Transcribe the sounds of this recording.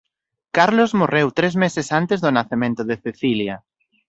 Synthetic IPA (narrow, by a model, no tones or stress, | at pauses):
kaɾlozmorewt̪ɾezmesesant̪ezðʊnaθemẽnt̪ʊðeθeθilja